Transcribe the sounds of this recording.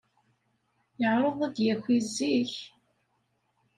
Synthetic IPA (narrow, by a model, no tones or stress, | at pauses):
jəʕɾˤəðˤædjæxʷizːiç